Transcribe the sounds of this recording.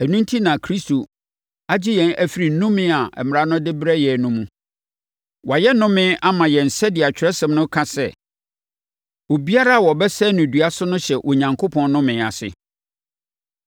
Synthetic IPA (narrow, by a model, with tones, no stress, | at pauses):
æ˨nũ˦n˦tʰi˦nã˨kʰɾi˦stʰo˨ | a˦d͡ʑɪ˦jɛ̃˨næ˦fi˨ɾi˨n̩˦nũ˦mɪ̃˦a˨ʔɛ̰˨mɪ̃˨ɾã˦nʊ̃˦dɪ˦bɾɛ˦jɛ˨nũ˦mũ˦ | wa˨jɛ˦nʊ̃˦mɪ̃˦a˦mã˨jɛ˨n̩˨sɛ˦dɪ˨a˨t͡ɕᶣɛ˦sɛ̃˨mnʊ̃˦kʰã˦sɛ˦˨ | o˨bi˦a˦ɾa˦a˨wɔ˨bɛ˦sɛ˦nʊ̃˨dɥa˦sʊ˦nʊ̃˦ɕɛ˨ʔo˨ɲã˨ŋkʰo˦pʰɔ̃˨n˦nʊ̃˦mɪ̃˨a˨sɪ̰˨